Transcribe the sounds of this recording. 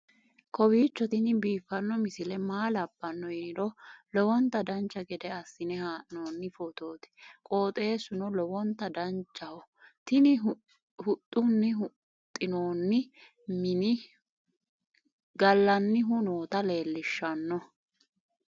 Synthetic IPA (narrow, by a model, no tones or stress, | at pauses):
kʰʼɔbiːt͡ʃːɔt̪ɪnɪbiːfːɐnːɔmɪsɪlɛmaːlɐbːɐnːɔjɪɾɔlɔwɔnt̪ːɐd̪ɐnt͡ʃːɐɡɛd̪ɛɐsːɪnɛhaːʔɪno̞ːnːɪfɔt̪o̞ːt̪ɪ̥kʼo̞ːt̪ʼe̞ːsʊnɔlɔwɔnt̪ːɐd̪ɐnt͡ʃːɐhɔ | t̪ɪnɪ | hʊt̪ʼːʊnːɪɦʊ | t̪ʼːɪno̞ːnːɪ | mɪnɪ | ɡɐlːɐnːɪɦʊnoːt̪ɐle̞ːlːɪʃːɐnːɔ